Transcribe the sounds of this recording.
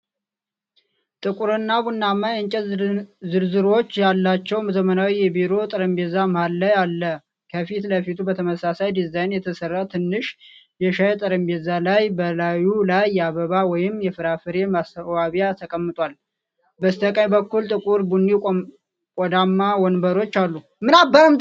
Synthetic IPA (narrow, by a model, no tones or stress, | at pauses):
t̪ʼɨkʼuɾɨnːabunːamːajɨɲt͡ʃʼɛzɨɾzɨɾo̞t͡ʃːjalːat͡ʃːɛwməzəmənawijɛbiɾo̞t̪ʼɨɾəmbezaməhalːajalːə | kʰəfit̪ləfit̪ʰubət̪ʰəməsasajd̪izajnjɛt̪ʰəsərːat̪ʰɨnːɨʃ | jɛʃajt̪ʼɨɾəmbezalajbəlajulajːaβəβawɔjɪmːjɛfɨɾafɨɾe̞mast̪ʰəwaβjat̪ʰəkʼəmːɨt̪ʼwal | bəst̪ʰəkʼaɲbəkːult̪ʼɨkʼuɾbunːi | kʼɔd̪amːawɔnbəɾo̞t͡ʃːalːu | mɨnabəɾəm